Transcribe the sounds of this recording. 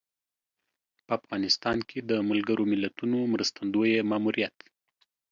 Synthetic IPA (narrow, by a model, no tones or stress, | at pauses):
pəafɣɑnɪst̪ɑnkʰed̪əməlɡəɾʔomɪlat̪unomɾəst̪and̪ojemɑːmuɾijat̪